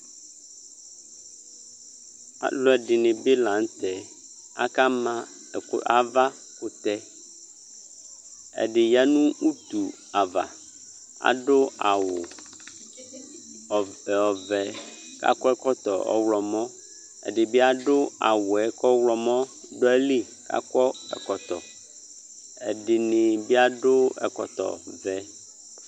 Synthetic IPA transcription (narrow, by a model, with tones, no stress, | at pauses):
a̰˨lo˦ɛ˨ɖɪ˨nɪ̃˨be˦lã˨ŋ˦t̪ɛ˨ | a̰˦ka˦mã̰˦˨˦ | a˨va˦ | kʊ˦t̪ɛ˦ | ɛ̰˨ɖɪ˨ja˦nũ˦ʔu˦t̪u˨ | a˨va̰˨ | a̰˨ɖʊ˦a˨wʊ˨ | ɔ˨vɛ˨ | ka̰˦kɔ˦ɛ˦kɔ˦t̪ɔ˨ɔ̰˦wlɔ˨mɔ̃˦ | ɛ̰˨ɖɪ˨bi˦a˦ɖo˦a̰˨wo˨ɛ˨kɔ˦wlɔ˨mɔ̃˦ | ɖo˦ɛ˦li˦ | ka̰˦kɔ˦ɛ̰˨kɔ˨t̪ɔ˨ | ɛ̰˨ɖɪ˨ne˨bi˦a˦ɖo˦ɛ̰˨kɔ̰˨t̪ɔ̰˨vɛ˦